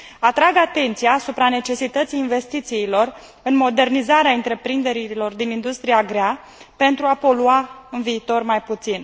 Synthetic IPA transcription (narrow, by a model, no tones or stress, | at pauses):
at̪ɾaɡat̪e̞nt̪siaːsupɾane̞t͡ʃe̞sit̪ət̪sijːnve̞st̪it̪siːlo̞r | ɨnmo̞d̪e̞rnizaɾeaɨnt̪ɾe̞pɾind̪e̞ɾilo̞rd̪inind̪ust̪ɾiaɡɾea | pe̞nt̪ɾuapo̞luaɨnviːt̪o̞rmajput̪sin